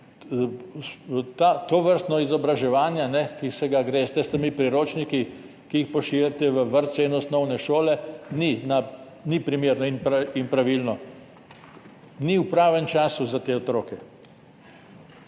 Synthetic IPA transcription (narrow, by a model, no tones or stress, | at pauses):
st̪at̪oʋəɾst̪nɔizɔbɾaʒɛʋaːnjanɛkisɛɡaɡɾeːst̪ɛst̪ɛmipɾiɾoːt͡ʃniki | kiixpɔʃiʋjat̪ɛʋəʋəɾt̪sɛinɔsnɔwnɛʃoːlɛnina | nipɾimeːɾnɔinpɾainpɾaʋilnɔ | niwpɾaːʋɛmt͡ʃaːsuzat̪eːɔt̪ɾoːkɛ